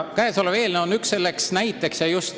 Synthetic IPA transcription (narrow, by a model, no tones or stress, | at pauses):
kæeso̞leve̞ːlneo̞nːyksːe̞lːe̞ksnæjt̪ːˑe̞ksjɑjust̪